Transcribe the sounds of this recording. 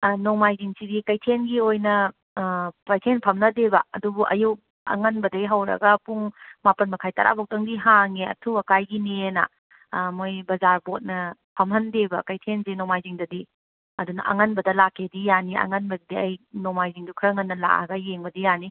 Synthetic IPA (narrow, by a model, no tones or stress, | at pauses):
nomajziŋsidikɐjtʰenɡiojnɐ | pɐjtʰenpʰɐmnɐdebɐɐ̰dubuʔɐ̰juk̚ | ɐ̰ŋɐnbɐdɐɡiɦɐwɾɐ̰ɡɐpuŋmapɐnmɐkʰajtaɾa̰bok̚tɐŋdiɦaŋeɐ̰tʰubɐkajɡinenɐ̰ | mojbɐzaɾbot̚nɐpʰɐmɦɐndebɐkɐjtʰensinomajziŋdɐdi | ɐdunɐ̰ʔɐ̰ŋɐnbɐdɐlakʰːedijaniɐ̰ŋɐnbɐdɐdiɐjnomajziŋdukʰɾɐŋɐnːɐla̰ʔa̰ɡɐjeŋbɐdijani